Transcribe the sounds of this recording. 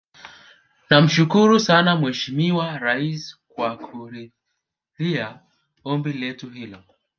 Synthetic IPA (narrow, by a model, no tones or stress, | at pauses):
nam̩ʃukuɾusanamwɛʃimiwaɾaiskwakʰuɾi | ðia | ɔmbilɛtuhilɔ